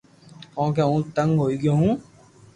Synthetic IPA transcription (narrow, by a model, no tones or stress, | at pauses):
kɔ̃ːk̬eũːt̪ə̃ŋɡɦoːiːɡɪjõːɦũː